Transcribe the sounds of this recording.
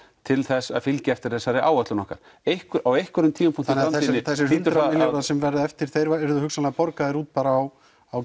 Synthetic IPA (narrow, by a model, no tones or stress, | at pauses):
t̪ʰɪlθɛsːa̰ðfɪlcɪɛft̪ɪɾ̥θɛsːaɾɪʔa̰ːwœt̪ʏnɔ̰hka̰ɾ̥ | ejhkʏɾawejhkʏɾʏmt̪ʰiːmampʰuŋ̥t̪ɪnamθɛinnɪθɛs̬ːɪɦʏnt̪ɾaɪlɔɾasɛmvɛɾðɪɛft̪ɪɾ̥θejɾvaɛɾðʏhʏksanlaɣpɔɾkaðɪɾuːt̪̚paːɾaːw | aw